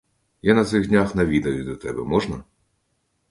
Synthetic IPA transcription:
janɐt̪sɪɣdʲnʲaxnɐʋʲid̪ɐjʊd̪ɐt̪ɛbɛmɔʒnɐ

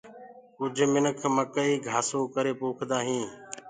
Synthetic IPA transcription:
kʊd͡ʒʱmɪnəkʰməkəiːɡʱaːsõːkəɾeːpoːkʰd̪aːɦĩː

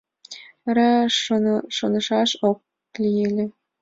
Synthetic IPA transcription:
ɾɑ | ʃonə̆ʃɑʃok̚ | lʲijelʲĕ

